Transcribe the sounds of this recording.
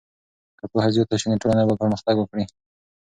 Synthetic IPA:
kakoɦaziot̪aʃiniʈolanabapəɾməxt̪aɡwəkɽi

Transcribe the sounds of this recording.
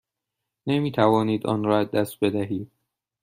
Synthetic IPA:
nemiːt̪ʰævɒːniːd̪ɒ̰ːnɾɒːæzd̪æst̪̚be̞d̪æɦiːd̪̥̚

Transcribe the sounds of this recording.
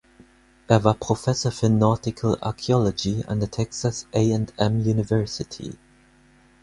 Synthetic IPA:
ʔɛvapʰʁ̥ofɛsəfənɔtɪkʰəla̰ɹkʰiɔləd͡ʒiə̰̃nðətʰɛksəsʔeɪɛ̃ndɛ̃mjunɪvɜ˞sɪtʰḭ

